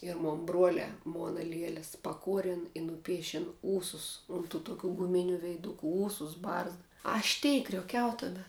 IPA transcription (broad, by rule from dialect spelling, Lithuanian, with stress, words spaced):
ɪr ˈmoːn ˈbruɔlʲɛː ˈmoːnɐ ˈlʲiɛlʲɛs pɐˈkuɔrʲɛn ɪ nʊˈpʲiɛʃʲɛn ˈuːsʊs ˈʊn ˌtuː tʊˈkʲuː ɡʊˈmʲɪnʲʊ ʋʲɛɪˈdʊkʊ ˈuːsʊs ˈbɐrzdɐ ˈɐʃ tʲɛɪ krʲoːˈkʲɛʊ tɐˈdɐ